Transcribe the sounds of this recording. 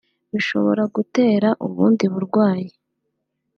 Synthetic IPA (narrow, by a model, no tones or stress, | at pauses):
βiʃo̞̰βo̞ɾaɡute̞ːɾaʔuβuːndiβuɾɡwaːje